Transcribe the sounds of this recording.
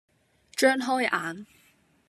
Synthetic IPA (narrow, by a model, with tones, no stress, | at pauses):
t͡ʃœː˥nɦɔː˥jʔaː˨˥n